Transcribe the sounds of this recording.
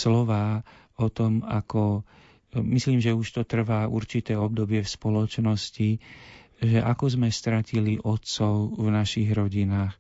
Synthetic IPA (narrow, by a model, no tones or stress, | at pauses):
slɔʋaː | ɔt̪ɔmakɔ | misliːmʒɛuʃt̪ɔt̪r̩ʋaːʔṵɾt͡ʃit̪ɛːɔb̚d̪ɔbɪɛfspɔlɔt͡ʃnɔsci | ʒɛʔakɔzmɛst̪ɾaciliʔɔt̪sɔʊvnaʃiɣɾɔɟinaːx